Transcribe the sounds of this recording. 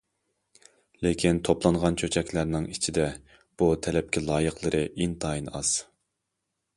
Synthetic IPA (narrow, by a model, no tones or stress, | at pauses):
lekʲʰint̪ʰoplˠɑɴʁɑnt͡ʃʰøt͡ʃʰɛkʲlæɾnɪŋit͡ʃʰid̪ɛ | b̥ut̪ʰɛlɛp̚kʲʰilˠɑːjəqlˠɨɾɨint̪ʰɑjinɑz̥